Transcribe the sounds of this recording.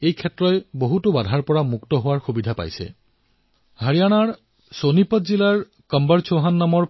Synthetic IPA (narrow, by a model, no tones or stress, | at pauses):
ejkʰɛtːɹɔjboɦutʊbadʱaɹpɔɹamuktɔɦʊwaɹxubidʱapa̰jsɛ̰ | ɦaɹijanaɹ | sonipɔtzilaɹ | kəmbaɹt͡ʃʰoɦanːamɔɹ